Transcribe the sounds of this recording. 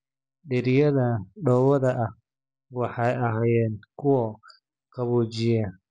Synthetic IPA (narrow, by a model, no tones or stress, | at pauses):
ɗɪɾɪjɐðɐɖɔwɐðɐʔɐh | wɑħɑjɐɦaːjɛːnkʰʊwɔ | kʰɐβuːt͡ʃɪja